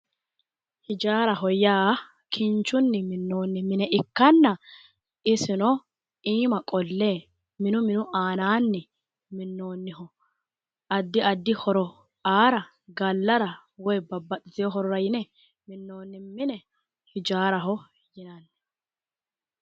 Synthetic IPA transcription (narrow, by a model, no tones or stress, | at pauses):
hɪd͡ʒaːɾɐɦɔjaː | kʰɪnt͡ʃːʊnːɪmɪnːo̞ːnːɪmɪnɛʔɪkːɐnːɐ | ɪsɪnɔ | iːmɐkʼɔlːeː | mɪnʊmɪnʊʔaːnaːnːɪ | mɪnːo̞ːnːɪhɔ | ʔɐd̪ːɪɐd̪ːɪhɔɾɔ | aːɾɐ | ɡɐlːɐɾɐ | wɔjbɐbːɐɗɪzɪjɔɦɔɾɔɾɐjɪnɛ | mɪnːoːnːɪmɪnɛ | hɪd͡ʒaːɾɐɦɔ | jɪnɐnːɛ̥